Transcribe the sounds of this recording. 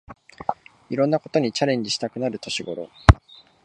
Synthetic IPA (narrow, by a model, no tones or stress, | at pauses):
iɾõ̞nːako̞t̪o̞ɲ̟it͡ɕaɾẽ̞ɲ̟d͡ʑiɕi̥t̪akɯ̟naɾɯ̟t̪o̞ɕiɡo̞ɾo̞̰